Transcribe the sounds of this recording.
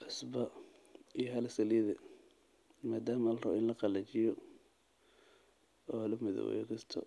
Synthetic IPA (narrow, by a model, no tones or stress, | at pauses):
ħʊsbɐ | ijɔɦɐlɐsɐliðɛ | maːd̪aːmɐːlrɔɪnlɐqɑlɐt͡ʃɪjɔ | ɔːlɐmɪðɔ̰w̰ɛ̰jkʰɐst̪ʰɔ̰